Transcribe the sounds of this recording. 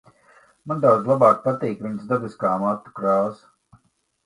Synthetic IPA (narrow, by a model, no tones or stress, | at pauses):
mand̪awd̪zlˠabaːk̚pat̪iːkʋinsd̪ab̪ɨskaːmat̪ːu̥kɾaːs